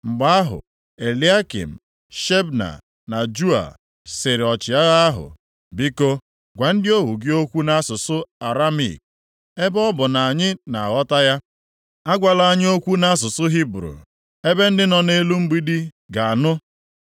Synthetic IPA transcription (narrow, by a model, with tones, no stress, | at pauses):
ŋ͡m̩˨ɡ͡ba˦a˦ɦʊ̰˨ | e˨li˦a˦kḭ˨m̩˨ | ʃe˦bna̰˨ | na˨d͡ʒu˦a̰˨ | sɪ˨ɾɪ˨ɔ˨t͡ʃɪ˨a˦ɣa˦ɦʊ̰˨ | bi˦ko˦ | ɡʷa˨n̩˦dɪ˦o˦ɦu˨ɡɪ˦o˦kʷu˦na˦sʊ˨sʊ˦a˨ɾa˦mḭ˨k̚ | e˦bɔ˦bʊ˨na˨a˨ɲɪ˦na˨a˨ɣɔ˦ta˦ja˦ | a˦ɡʷa˨la˨a˦ɲ˦o˦kʷu˦na˦a˦s̬ʊ˨sʊ˦ɦi˦bɾṵ˨ | e˦be˦n̩˦dɪ˦nɔ˨ne˦lu˦m̩˦ɡ͡bi˦di˦ | ɡa˨a˨nʊ˦